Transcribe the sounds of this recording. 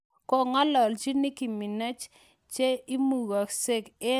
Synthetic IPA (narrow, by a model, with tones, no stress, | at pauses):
kɔ˨ŋa˦lɔ˨lt͡ʃi˦ni˦ki˨mi˨na˦t͡ʃ | t͡ʃe˦i˦mu˨ɣa˨kse˦kɪ˦